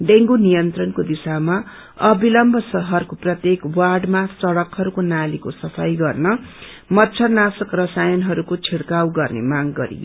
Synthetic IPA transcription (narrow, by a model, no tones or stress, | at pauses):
ɖeŋɡunijʌnt̪rʌnkod̪isama | ʌbʱilʌmbʱʌsʌɦʌrkoprʌt̪jekwarɖmasʌɽʌkɦʌɾukonalikosʌpʰʌjɡʌrnʌ | mʌtːt͡sʰʌnasʌkrʌsajʌnɦʌɾukot͡sʰiɽkawɡʌrnḛmaŋɡʌɾḭɡo